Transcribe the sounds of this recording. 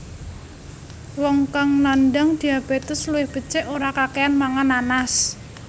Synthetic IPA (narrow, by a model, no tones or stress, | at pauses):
wɔŋkaŋnandaŋd̪̥i̤ab̥e̤t̪ʊsluwɪhb̥ə̤t͡ʃɪʔoɾakakeanmaŋananas